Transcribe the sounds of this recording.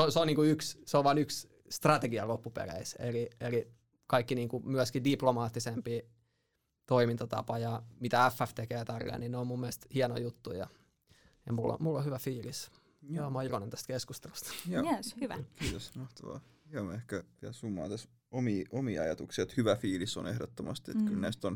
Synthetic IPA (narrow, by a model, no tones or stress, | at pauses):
oseoniːŋkuyksseoʋʋɑˑnyks | st̪rɑt̪eɡiɑlopːupḛrḛisḛlieli | kɑikːiniːŋkumyæskidiplomɑːt̪ːisempiː | t̪oimint̪ɑt̪ɑ̰pɑjɑmit̪ææfːæft̪ekeːt̪ɑrːḛninneommumːiælst̪hiɛno̰jut̪ːujɑ̰ | jɑmulːo̰mulːohyʋæfiːlis | jomɑikonent̪æst̪keskust̪elust̪jɑːehyʋæ̰kiːt̪osmɑht̪ɑʋɑ̰ː | hiɛnoehkæʋiæsumːɑ̰ːnt̪æs | omiːʔomiːɑ̰jɑt̪uksiet̪hyʋæfiːliso̰nehdot̪ːomɑ̰st̪iḛt̪kylnæist̪on